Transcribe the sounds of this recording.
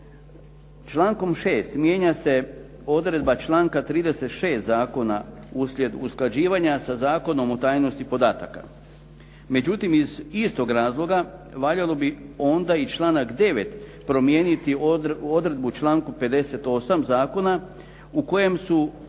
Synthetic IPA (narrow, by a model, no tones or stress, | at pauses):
t͡ʃlˠaːŋko̞mʃe̞ːst̪mje̞ːɲase̞ | o̞d̪ɾe̞d̪bat͡ʃlˠaːŋkat̪ɾiːd̪e̞se̞t̪ʃe̞ːst̪zaːko̞na̰ | uslʲje̞d̪usklˠad͡ʑiːʋaɲasazaːko̞no̞mo̞t̪aːjno̞st̪ipo̞d̪aːt̪aka̰ | me̞d͡ʑut̪imizist̪o̞ɡɾaːzlˠo̞ɡaʋaʎalo̞bio̞nd̪ait͡ʃlˠaːnakd̪e̞ʋe̞t̪pɾo̞mje̞ːnit̪iod̪ɾe̞d̪̚but͡ʃlˠaːŋkupe̞d̪e̞se̞t̪o̞samzaːko̞na | uko̞je̞msu